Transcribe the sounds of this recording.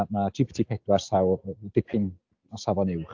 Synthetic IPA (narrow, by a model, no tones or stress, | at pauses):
matʰipʰtʰipʰɛdwarsawd̥ɪpʰɪn | ɔsavɔnɪwχ